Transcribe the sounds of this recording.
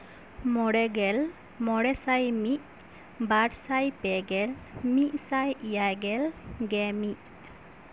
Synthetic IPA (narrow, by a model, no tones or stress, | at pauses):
mɔɽɛɡɛl | mɔɽɛsajmiʔ̚ | baɽsajpɛɡɛlmiʔ̚sajijajɡɛlɡɛmiʔ